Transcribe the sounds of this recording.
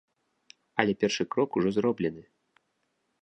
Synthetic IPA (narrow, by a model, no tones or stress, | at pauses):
ɐlʲɛpʲɛrʂɨkɾɔkuʐɔzrɔblʲɛnɨ